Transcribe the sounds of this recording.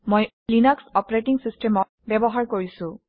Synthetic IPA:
moj | linaksɔpɹeʈiŋsistɛmɔ | bɛbɔɦaɹkoɹisʊ̃

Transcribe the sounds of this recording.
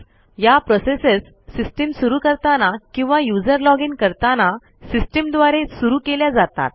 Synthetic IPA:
japɾɔsesəsː | isʈəmsuɾuːkəɾt̪anakĩw̃ʋajud͡zəɾlɔɡinkəɾt̪ana | sisʈəmd̪ʋaɾesuɾuːkeljad͡zat̪a̰t̪̚

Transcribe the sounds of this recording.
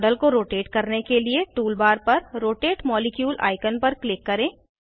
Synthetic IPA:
ɖəlkoɾoːʈeːʈkɐɾnekelieʈuːlbaːɾpɐɾɾoːʈeːʈmɔːlɪkjuːlʔa̰ːɪkənpɐɾklɪkːɐɾẽː

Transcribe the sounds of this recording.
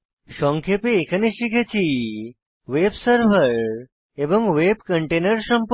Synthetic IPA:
ʃɔ̃ŋkʰepeːkʰəneɕikʰet͡ɕi | ʋebsəɾʋəɾ | ebəŋɡʋebkəɳʈenəɾsəmp

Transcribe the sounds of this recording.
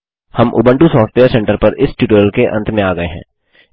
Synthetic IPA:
həmʔʊ̰bə̃ɳʈusɔːfʈʋeːəɾsɛ̃ɳʈəɾpəɾɪsʈuːʈoːəlkeʔə̃nt̪ʰmẽaːɡəeɦɛ̰̃ː

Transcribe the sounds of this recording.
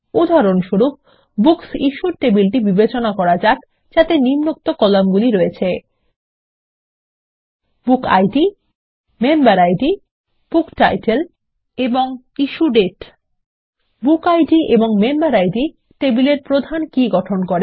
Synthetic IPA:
ud̪ʱaɾonʃuɾup̚ | buksiʃuɾʈebilʈibibet͡ɕonakɔɾad͡ʑak | d͡ʑat̪enimnok̚t̪okɔlamɡuliɾoet͡ɕʰe | buka̰jʈi | membaɾajʈi | b̥ukʈajʈel | eboŋ | iʃuɖeʈ | bukajɖieboŋmembaɾajʈi | ʈebileɾpɾod̪ʱankiɡɔʈʰonkoɾe

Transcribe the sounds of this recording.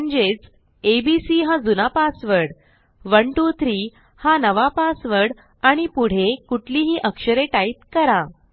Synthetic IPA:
əɲd͡ʑet͡s | ebisiːɦad͡zunapasʋəɽ | ʋəɳʈut̪ʰɾiː | hanəʋapasʋəɽ | aɽ̃ipuɽ̤ekuʈʰliɦiːʔəkʂəɾeʈait̪̚kəɾa

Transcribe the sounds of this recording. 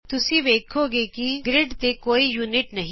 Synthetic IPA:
t̪ʊsĩːʋeːkʰoːɡeːkiɡɾɪɖt̪eːkoːiːjuːnɪʈnəɦĩ

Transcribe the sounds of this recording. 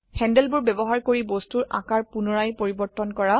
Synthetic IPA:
hɛndɛlbʊɹbɛbɔɦaɹkoɹibɔstuɹʔã̰kaɹpunɔɹajpoɹibɔɹtːɔnkɔɹa

